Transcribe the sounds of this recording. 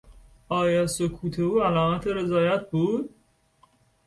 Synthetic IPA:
ɒːjɒːsokʰuːt̪ʰeuːælɒːmæt̪ʰeɾe̞zɒːjæt̪̚ʰbuːd̪̥

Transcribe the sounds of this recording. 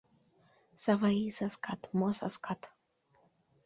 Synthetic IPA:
savaisaskʰat̪mɔsaskʰat̪

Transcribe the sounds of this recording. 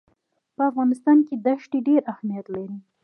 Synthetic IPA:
pəafɣɑnɪst̪ɑnked̪aʃʈeɖeɾahmijat̪laɾi

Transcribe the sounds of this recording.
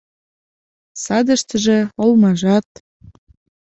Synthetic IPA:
sɑd̪ə̆ʃt̪əʒĕŏlmɑʒɑt̪̚

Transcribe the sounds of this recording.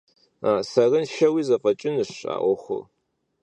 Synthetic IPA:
aːsɐrɨnʃɐwiːzɐqʼɐt͡ʃʼɪnɨʂa̰ːʔʷɔχʷʊ̰r

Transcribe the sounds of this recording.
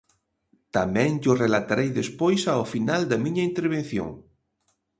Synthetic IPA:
t̪amɛ̃ŋɟ͡ʝʊrelat̪aɾejðespojsaʊfinald̪ɐmiɲɐint̪eɾβ̞en̟θjo̰ŋ

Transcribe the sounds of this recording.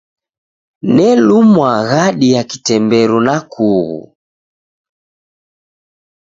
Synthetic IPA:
nɛlumwaɣaɗijaki̥tɛmbɛɾunakʰuɣṵ

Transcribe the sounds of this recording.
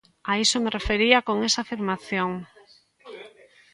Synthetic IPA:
aisomerefeɾiakoŋesaːfiɾmaθjoŋ

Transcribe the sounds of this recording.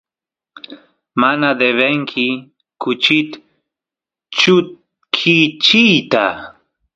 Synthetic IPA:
manad̪eβeŋkʰɪ | kʊt͡ʃɪt̪ | t͡ʃʊ | kʰit͡ʃijt̪a

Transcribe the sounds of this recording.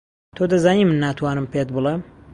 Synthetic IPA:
t̪ʰoːd̪ɐzaːniːmɨnːaːt̪ʰwaːnɨmpet̪̚bɨlˠem

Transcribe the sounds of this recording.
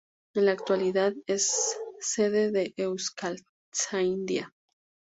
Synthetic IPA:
enlaːk̚t̪waliðaðesː | eðeðeʔewskal | t͡sajnd̪ja

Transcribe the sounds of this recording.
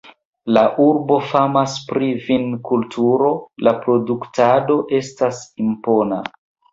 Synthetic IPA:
laʔuɾbo̞famaspɾivinkultʰuɾo̞lapɾo̞duktado̞ʔe̞stasimpo̞na̰

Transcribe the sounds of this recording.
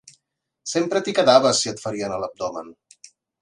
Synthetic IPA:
sempɾət̪ikəðaβəsːiət̪fəɾiənələb̚d̪ɔmə̰n

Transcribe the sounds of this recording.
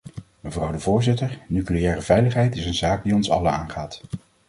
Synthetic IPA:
məvrɑwdəvʊːɹzɪtəɹnykliɛːrəvɛjləχɦɛjtɪsənzaːk̚diɔnsɑ̰ləna̰ːnχaːt

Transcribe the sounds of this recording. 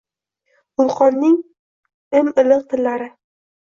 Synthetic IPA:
ʊlˠqʰɒnːɪŋ | ɪmɪlɪq̚t̪ʰɪlːaɾɪ

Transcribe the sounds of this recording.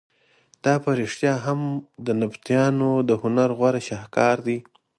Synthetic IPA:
d̪̥ɑpaɾiʂt̪jɑɦamd̪ənabt̪jɑnod̪əhʊnaɾɣwaɾaʃɑhkɑɾd̪i

